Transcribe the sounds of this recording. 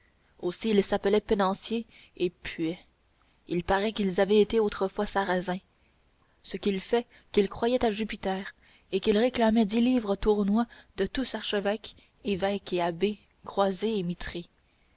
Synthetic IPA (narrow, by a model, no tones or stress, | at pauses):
osiːlsapəlɛpenɑ̃sjeː | pʰɥɛ | ilpaʁɛkilzavɛet̪eot̪χəfwasaʁazɛ̃ | səkʲilfɛ | kilkχwajɛt̪aʒypit̪ɛːʁ | ekilʁeklamɛd̪iliːvʁət̪uʁnwad̪̥ət̪usaʁʃəvɛk | evɛkeabe | kχwazeemit̪χe